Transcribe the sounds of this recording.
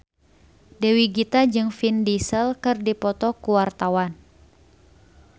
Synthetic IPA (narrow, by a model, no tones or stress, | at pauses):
dewiɡit̪ad͡ʒɨŋfindisəlkɨrdipɔt̪ɔkuwart̪awan